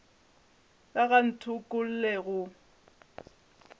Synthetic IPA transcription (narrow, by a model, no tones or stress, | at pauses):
kaɣan̩tʰʊkʼʊl̩lɛɣʊ